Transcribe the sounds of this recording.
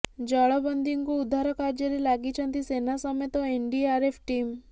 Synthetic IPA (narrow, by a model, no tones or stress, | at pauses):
d͡ʒɔɭɔbənd̪ʱiŋkuud̪ʱaɾɔkaɾd͡ʒəɾilaɡit͡ʃʰənt̪isenasɔmet̪ɔeɳɖiaɾepʰʈim